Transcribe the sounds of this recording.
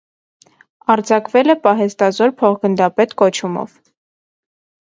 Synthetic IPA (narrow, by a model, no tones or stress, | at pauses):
ɑɾd͡zɑkvɛlɛpɑɦɛst̪ɑzɔɾpʰɔχɡənd̪ɑpɛt̪kɔt͡ʃʰumɔ̰v